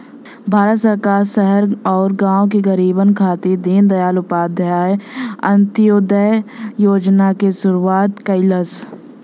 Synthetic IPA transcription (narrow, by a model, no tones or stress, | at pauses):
bʱaːɾət̪səɾkaːɾsɛɦəɾɔːɾɡãːõkiɡəɾiːbənkʰaːt̪id̪iːnd̪ɐjaːlʊpaːd̪ʱaeə̰̃nt̪ɪjoːd̪əjjoːd͡ʒnakesʊɾuaːt̪kəɪləs